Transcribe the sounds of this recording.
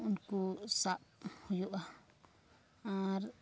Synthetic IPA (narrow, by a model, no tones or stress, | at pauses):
nkusaʔhujuʔa | ãɾ